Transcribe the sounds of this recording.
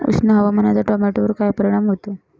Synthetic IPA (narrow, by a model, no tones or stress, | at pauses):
ṵsnəɦəʋamənat͡saʈɔmeʈoʋəɾkajpəɾiɽ̃amɦot̪ə